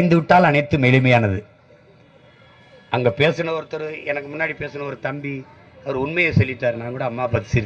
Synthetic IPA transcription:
ɪnd̪ɯʋɪʈːaːlɐnɐɪt̪ːɯmɛɻɯmɐjaːnɐðɯ | ʔɐŋɡeːpeːsɯɳɐɔɾɯt̪ːɔɾɯɛnɐkːɯmʊnːaːɽipeːsɯɳɐɔɾɯt̪ɐmbi | ɐʋɐɾɯʊnmɐjɐsɛlːɪʈːaːɾnaːŋkuːɽɐːmːaːpɐðɪsɪɾ

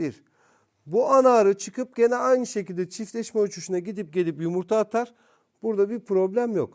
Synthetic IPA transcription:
biɾ | buanaːɾɯt͡ʃʰɯkʰɯp̚ɟe̞nɛajnɯʃe̞cilʲd̪ɛt͡ʃʰiflʲɛʃmɛut͡ʃʰuʃunaɟid̪ip̚ɟe̞lʲipjumuɾt̪ʰaːt̪ʰaɾ | b̥uɾd̪abiɾpʰɾo̞blʲæmjok

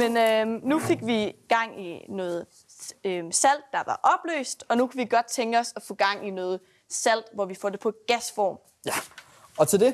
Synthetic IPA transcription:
menønufe̝ɡ̥ʋiɡ̥ɑ̈ŋ̰inɔ̽ːð̞̩ˠ | øsæl̰d̥ːɑ̈ʋɑ̈ʔɒ̽b̥lø̰ːsd̥ɒ̽nukʰuʋiɡ̥ɒ̽d̥̚t͡sʰeŋɡ̥əɒ̽sɒfɔ̽ːɡ̥ɑ̈ŋ̰inɔːð̞̩ˠ | sæl̰d̥ʋɒʋifɒ̰d̥e̝pʰɒ̽ɡ̥æsfɒ̰ːm | ɒ̽t͡sʰeld̥e̝

